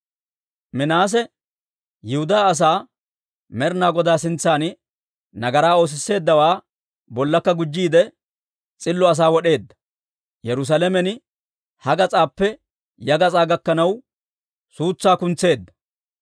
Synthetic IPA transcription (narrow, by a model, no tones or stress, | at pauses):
mɪnaːs̬ɛ | jɪhʊd̪aːs̬aː | mɛɾnaːɡɔd̪aːsɪnt͡sːaːn | nɐɡɐɾaːo̞ːs̬ɪsːe̞ːd̪ːɐwaː | bɔlːɐkːɐɡʊd͡ʒːiːd̪ɛ | t͡sʼɪlːɔɐs̬aːwɔɗe̞ːd̪ːɐ̥ | jɛɾʊs̬alɛmɛn | hɐɡɐt͡sʼaːpːɛ | jɐɡɐt͡sʼaːɡɐkːɐnɐw | suːt͡sːaːkʊnt͡sːe̞ːd̪ːɐ̥